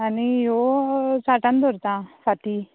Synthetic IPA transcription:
anijosaʈãnd̪ɔɾt̪ãfaʈi

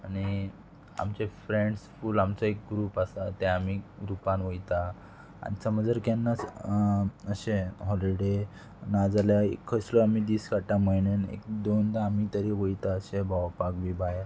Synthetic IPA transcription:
aɽ̃i | a̰mt͡ɕefɾeɳɖsfuːlamt͡saek̚ɡɾuːpasat̪eamiɡɾupanʋəjt̪a | a̰nit͡səməd͡zəɾkanːat͡s | əɕẽɦɔliɽe | nad͡zaljaḛkʰːəsləamid̪iːskaʈãməjnənḛk̚d̪ond̪aamit̪əɾiʋəjt̪aəɕẽbʱaʋpakʋibʱaj

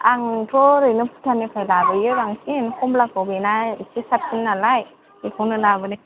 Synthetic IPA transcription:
aŋtɾɔɾɯnɯpʰu̥tʰanɯkʰajlabɯjɯbaŋsinkʰumblak̚bɔbenasisap̚sinːalaj | ikʰɔŋnɯlabɯni

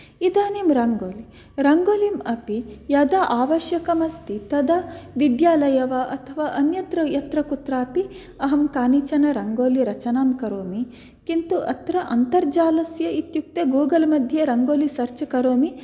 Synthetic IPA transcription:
id̪aːnimɾɐŋɡoːli | ɾɐŋɡoːlimɐpijɐd̪ɐʔaːʋɐʃjɐkɐmɐst̪it̪ɐd̪ɐʋid̪jaːlɐjɐʋaːʔɐt̪ʰɐʋaːʔɐnjɐt̪ɾɐjɐt̪ɾɐkut̪ɾaːpi | ɐɦɐmkaːnit͡ʃɐnɐɾɐŋɡoːliɾɐt͡ʃɐnaːmkɐɾoːmi | kint̪uʔɐ̰t̪ɾɐʔɐnt̪ɐɾd͡ʒaːlɐsjɐit̪juk̚t̪eːɡuːɡɐlmɐd̪ʱjɐɾɐŋɡoːlisɐɾt͡ʃɐkɐɾoːmi

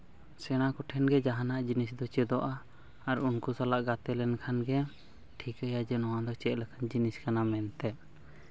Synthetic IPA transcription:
sɛñakɔʈʰɛnɡɛd͡ʒaɦanaʔd͡ʒinisd̪ɔt͡ʃɛd̪ɔʔaː | ɾunkusalaʔɡat̪ɛlɛnkʰanɡɛ | ʈʰikəjad͡ʒɛnɔwad̪ɔt͡ʃɛʔ̪̚ləkʰand͡ʒiniskanamɛnt̪ɛ

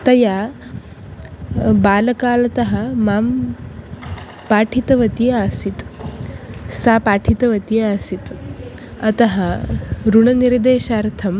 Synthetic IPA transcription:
t̪ɐjaː | baːlɐkaːlɐt̪ɐɦɐ̆maːm | paːʈʰit̪ɐʋɐt̪ijaːsit̪ | saːpaːʈʰit̪ɐʋɐt̪ijaːsit̪ | ɐt̪ɐɦɐɾuɳɐniɾd̪eːʃaːɾt̪ʰɐm

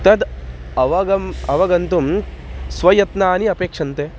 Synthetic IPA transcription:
t̪ɐd̪ɐʋɐɡɐmɐʋɐɡɐnt̪umsʋɐjɐt̪naːniɐpeːkʂɐnt̪eː

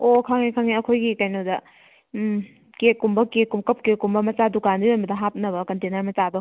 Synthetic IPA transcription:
okʰaŋekʰaŋiɐkʰojɡikajnodɐ | kekːumbɐkekumkɐp̚kekumbɐmɐt͡ʃadukandibonbɐdɐɦap̚nɐβɐkɐntenɐɾmɐt͡ʃado

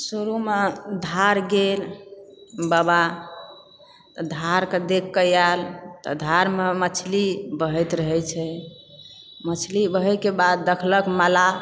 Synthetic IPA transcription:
suɾumed̪ʱaɾɡel | bəba | t̪ɔd̪ʱaɾked̪ekːəjalt̪ɔ̰d̪ʱaɾmemət͡ʃʰlibəɦɛjt̪ɾəɦɛt͡ʃʰɛ | mət͡ʃʰlibəɦɛkebad̪̚ːəkʰləkməla

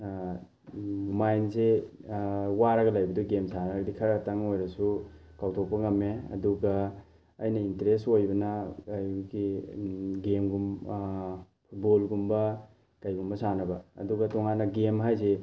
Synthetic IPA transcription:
majnse | waɾɐɡɐlajbɐduɡemsanɐɐdikʰɐɾataŋojɾɐsukawtʰopːɐŋɐmːeɐ̰duɡɐː | jnɐinteɾestojbɐnɐjuɡi | ɡemɡum | pʰut̚bolɡumbɐ | kajɡumbɐsanɐbɐɐ̰duɡɐtɔŋanːɐɡemɦajze

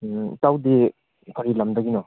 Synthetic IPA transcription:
tawdi | kʰɔɾilɐmdɐɡinɔ

